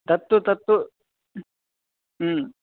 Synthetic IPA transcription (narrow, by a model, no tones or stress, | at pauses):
t̪ɐt̪ːut̪ɐt̪ːu